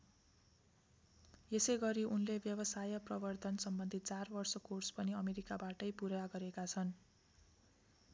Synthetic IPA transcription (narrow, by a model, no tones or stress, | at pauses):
jesʌjɡʌɾiʔunlebjʌbʌsajʌprʌbʌrt̪ʰʌnsʌmbʌnd̪ʱit̪̚t͡sarbʌrsʌkorspʌniʌmeɾikabaʈʌjpuɾaɡʌɾekat͡sʰʌn